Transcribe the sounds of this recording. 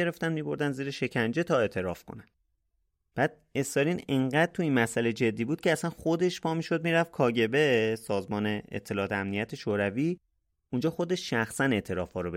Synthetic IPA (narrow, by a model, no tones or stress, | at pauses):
eɾe̞ft̪ænmiːbo̞ɾd̪ænziːɾeʃe̞cʰænd͡ʒe̞t̪ʰɒːe̞ːt̪ʰe̞ɾɒːfkʰo̰næn | b̥æd̪̥̚e̞st̪ɒɾineŋɢæd̪̥̚t̪ʰuinmæsæled͡ʒe̞d̪ːiːbuːd̪̚cʰeæsænxo̞d̪e̞ʃpʰɒːmiːʃo̞d̪̚miːɾæfkʰɒːɟe̞be̞sɒːzmɒːne̞ḛt̪ʰːe̞lɒːt̪ʰeæmnijæt̪ʰeʃoːɾæviː | und͡ʒɒːxo̞d̪e̞ʃʃæxsæne̞ʔt̪ʰe̞ɾɒ̰ːfɒːɾobe